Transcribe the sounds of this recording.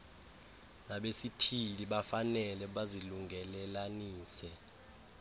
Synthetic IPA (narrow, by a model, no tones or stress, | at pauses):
naɓesitʰiliɓafanɛlɛɓaziluŋʱɛlɛlaniːsɛ